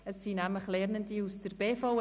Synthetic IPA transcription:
əsːinæmləχlɛɾnəndiusd̥əɾb̥eːfoʊ

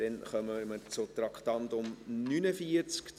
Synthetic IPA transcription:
ɛnχœməməɾt͡sʊt̪ɾɑkχtɑnt̪ʊmnynəfiəɾt͡sk

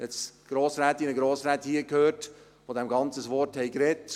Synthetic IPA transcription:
ɛt͡sɡ̥ɾoːsɾæːt̪inəɡɾoːsɾɛːthiːəkʰhøːɾt | fod̪ɛmɡɑnt͡səsʋɔɾthɛjkɾɛt

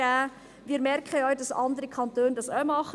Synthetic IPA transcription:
æː | ʋiːɾmɛɾkʰχəœʏdɑsɑndəɾəkʰɑntøːndɑsœmɑχə

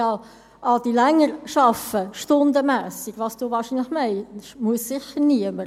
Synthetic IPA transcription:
ɑː | ʔɑdilɛŋəɾʃɑfəʃtondəmæːsikvɑːsd̥oːvɑːʃinləxmɛɪʃmuəssɪçəʁniəmə

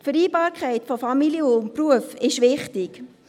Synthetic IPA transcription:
tfəɾiːbɑːɾkʰχɛɪtfɔfɑmiljəʊm̚pɾuəfɪʃʋɪχtɪk

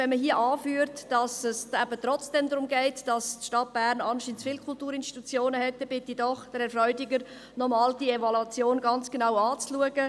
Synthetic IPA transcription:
vɛnməɦiəʔɑːfyːəɾtd̥ɑsɛsæbətrɔt͡sd̥ɛmdɾʊmɡɛɪtd̥ɑstʃtɑt̚b̥æːɾnɑnʃiːnt͡sfɪːlkʰʊltuːɾɪnʃti̥t̪ut͡sjoːnəhɛt̚ːɛb̥ɪtidɔχd̥əɾɛɾfrœʏdɪɡəɾ | nɔmɑːld̥ievɔlat͡sjoːnɡɑnt͡sɡ̥enawɑːt͡sluəɡ̥ə

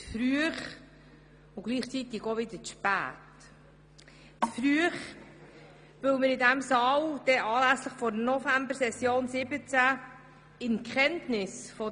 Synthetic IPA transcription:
t͡sfɾyəχ | ʊɡ̥liːχt͡sit̪ɪɡoʋɪd̪əʃpæ̰ːt | t͡sfɾyəχ | ʋɪwməɾɪdæmsɑːld̥ɛʔɑːlæsləχfɔɾnɔfæmbəɾsɛsjoːnsɪbət͡sæ | ɪnkχɛntnɪsfɔ

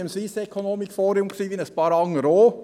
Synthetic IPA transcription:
əmsʋiːsɛkʰonoːmikfoːɾiʊmksiːʋiːnəspɑːɾɑŋːəɾoː

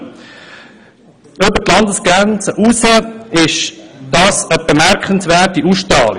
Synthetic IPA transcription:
ʏbətlɑndəsɡ̥ɾɛnt͡səʔusəɪʃd̥ɑsəb̥əmɛɾkχənsʋɛːtiʔuʃtɾɑːl

